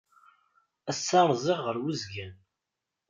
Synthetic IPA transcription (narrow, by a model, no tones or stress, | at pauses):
æsːɑɾˤzˤɪʁʁəɾwizɡæn